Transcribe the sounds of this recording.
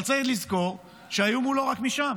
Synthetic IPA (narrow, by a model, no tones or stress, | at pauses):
lt͡setlizko̞ʁ | ʃeajumulo̞ʁakmiʃam